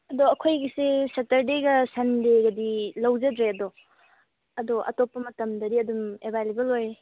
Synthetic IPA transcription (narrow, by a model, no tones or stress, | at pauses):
ɐdɔɐkʰojɡisesɐtɐɾdeɡɐsɐndeɡɐdilɐwzɐdɾeɐdɔ | ɐdɔʔɐ̰topːɐmɐtɐmdɐdiɐdumebalibɐlojɾe